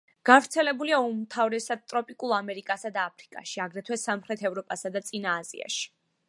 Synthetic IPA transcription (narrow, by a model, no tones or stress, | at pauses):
ɡ̥avɾt̪sʰɛlɛbuliaumt̪ʰavɾɛsad̪̚t̪ʼɾɔpʼikʼulˠamɛɾikʼasad̪aːpʰɾikʼa̰ʃiaɡɾɛt̪ʰwɛsamχɾɛt̪ʰɛvɾɔpʼasad̪at̪sʼinaːzḭa̰ʃi̥